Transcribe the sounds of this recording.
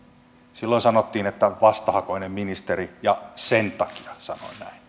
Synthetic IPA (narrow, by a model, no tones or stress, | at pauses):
silːoinsɑnot̪ːiːnet̪ːæʋɑst̪ɑhɑkoinemminist̪erijɑsent̪ɑki̥ɑsɑno̰inæin